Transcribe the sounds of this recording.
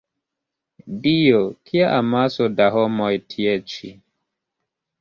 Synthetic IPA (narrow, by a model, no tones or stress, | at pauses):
dijokʰiaʔamasodaɦɔmojtʰiet͡ʃi